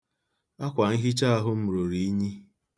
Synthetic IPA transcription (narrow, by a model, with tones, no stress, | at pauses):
a˦kʷa˨ŋ̩˦ɦi˦t͡ʃa˦a˦ɦʊ˦mʊ˨ɾʊ˨ɾi˨i˦ɲi˦